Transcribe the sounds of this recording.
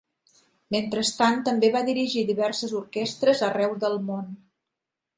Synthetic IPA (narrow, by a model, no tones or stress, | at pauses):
ment̪ɾəst̪ant̪əmbeβaðiɾiʒiðiβɛɾsəzuɾkɛst̪ɾəzərɛwðəlˠmon